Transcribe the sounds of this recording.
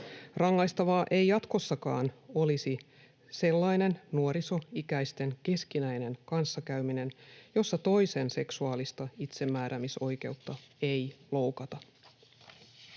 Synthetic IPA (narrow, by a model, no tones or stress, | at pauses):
rɑŋːɑjst̪ɑʋɑːʔe̞jjɑt̪ko̞sːɑkɑːno̞lisi | se̞lːɑjne̞nnuoɾiso̞ikæjst̪e̞nke̞skinæjne̞nkɑnsːɑkæɥmine̞njo̞sːɑt̪o̞jse̞nse̞ksuɑːlist̪ɑit̪se̞mːæːɾʔæmiso̞jke̞̰wt̪ːɑe̞jlo̞wkɑt̪ɑ